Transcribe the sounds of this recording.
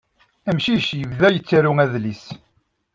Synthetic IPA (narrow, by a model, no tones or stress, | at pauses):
æmʃiçjəvðæjət͡sːæɾuŋæðlis